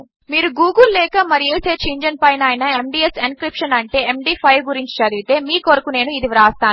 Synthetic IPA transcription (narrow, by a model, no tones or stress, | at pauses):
miːɾuɡuːɡulːɛːkɐmɐɾieːseːt͡ʃiːɲd͡ʒɐnpɐjnaːjnɐemɖiːesenkɾipʂɐnɐɳʈe̞ːemɖiːpʰɐjʋɡuɾiɲt͡ʃi̥t͡ʃɐd̪iɡit̪e̞ːmiːkoɾɐkune̞ːnuid̪iʋɾaːst̪aː